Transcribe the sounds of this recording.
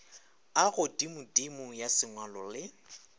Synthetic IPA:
aɣʊdimʊdimʊjasɪŋwalɔlɪ

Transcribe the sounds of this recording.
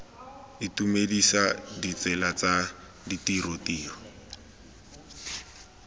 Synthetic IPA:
ɪtumedisadit͡sɛlat͡sa | ditirotiːɔ

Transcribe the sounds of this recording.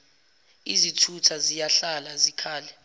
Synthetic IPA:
izitʰutʰazijaɬalazikʰaːlɛ

